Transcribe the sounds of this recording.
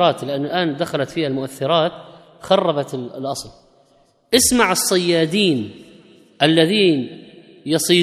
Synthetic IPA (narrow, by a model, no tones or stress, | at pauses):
ɾɑːt̪lɪʔanːʊlʔaːnd̪axalat̪fiːhalmʊʔaθːɪɾˤɑːt̪ | xɑrˤːɑbat̪ɪlʔɑsˤl | ʔɪsmaʕɨsˤːɑjːaːd̪iːn | ʔalːaðiːn | jɑsˤiː